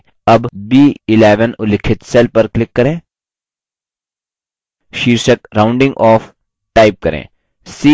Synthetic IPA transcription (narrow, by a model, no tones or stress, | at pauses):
ɐbbiːɪleːʋənʊlɪkʰːɪt̪seːlpɐɾklɪkːɐɾẽː | ʃiːɾʃəkɾãːʊ̃ɳɖɪ̃ŋɡɔːf | ʈaːɪp̚kɐɾḛ̃ː | si